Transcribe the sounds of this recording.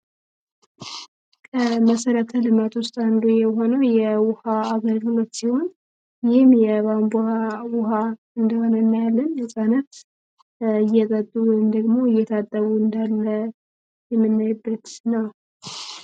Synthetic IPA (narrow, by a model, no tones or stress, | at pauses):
kʰəməsəɾət̪ʰəlɨmat̪wʊst̪ʼand̪ojɛɦo̞nəwjɛwʊhaaɡəɾɡɨlot̪ːsiho̞n | jɪhɨmjɛβambuhawʊha | ɨnd̪əho̞nənːajalːənɨsʼanət̪ | ɨjːɛt̪ʼət̪ʼːɨβmd̪əɡmo̞ɨjːɛt̪ʰat̪ʼːəβuɨnd̪alːə | jɛmːɨnːajbːət̪nəw